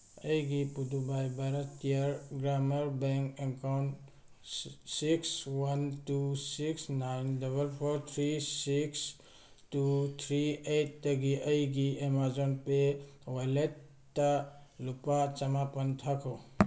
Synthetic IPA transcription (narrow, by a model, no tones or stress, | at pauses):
ɐjɡipud̪ubajbaɾət̪ijəɾɡɾaməɾbɛŋkeŋkawn | sikswɐntusiksnajndɔbəlpʰoɾt̪ʰɾisiks | tut̪ʰɾiet̚dəɡiʔəjɡiemazonpe | waletː | alupat͡ʃɐmapənt̪ʰakʰo